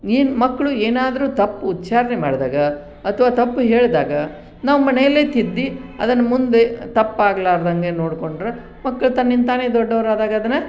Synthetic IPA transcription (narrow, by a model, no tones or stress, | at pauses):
iːnmɐkːɐɭueːnaːd̪ɐɾuːt̪ɐpːt̪ːt͡ʃaːɾnema̰ːɽd̪a̰ːɡɐː | t̪ʰɐʋaːt̪ɐpːuɦe̞ːɭd̪aːɡɐ | naːʋmɐnɛjɐlːe̞ːt̪id̪ːiɐd̪ɐnːɐmund̪e̞t̪ɐpːaːɡɐlaːɾd̪ɐŋɡeno̞ːɽko̞ɳɖɾe | mɐkːɐɭut̪ɐnːind̪t̪aːneːd̪ɔɖːɐʋɾaːd̪aːɡɐɐd̪ɐnːɐ